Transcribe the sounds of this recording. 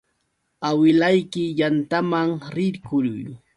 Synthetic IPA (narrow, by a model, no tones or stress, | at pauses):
awɪlajkɪjant̪amaŋɾɪɾkʊɾʊ̰j